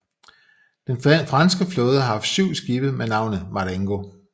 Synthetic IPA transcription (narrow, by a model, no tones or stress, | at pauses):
d̥enfʁɑnsɡ̥əflɔ̽ːð̞ˠəhɑ̈ɦɑ̈fd̥syʊ̰sɡ̥ib̥əð̩ˠmenɑ̈ʊ̰nəmɑ̈leŋɡ̥o̝